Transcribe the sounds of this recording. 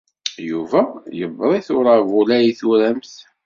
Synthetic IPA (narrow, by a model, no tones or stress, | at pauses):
juvæjəvɾˤiθʊɾˤavulæjiθuɾæmθ